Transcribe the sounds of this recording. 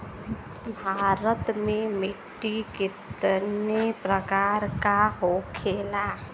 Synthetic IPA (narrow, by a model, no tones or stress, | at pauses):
bʱaːɾət̪mẽmɪʈːikɪt̪nepɾəkaːɾkaɦoːkʰeːlaː